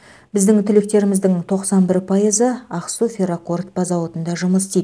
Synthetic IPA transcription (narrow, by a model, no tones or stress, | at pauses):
bɪzd̪ɪŋt̪ʰʏlɪk̚t̪e̞ɾɪmɪzd̪ɪŋt̪ʰo̞qsɑnbɪɾpʰɑjəzəɑqsufʲeɾoko̞rt̪b̥ɑzɑwot̪ənd̪ɑʒʊməsst̪ijd̪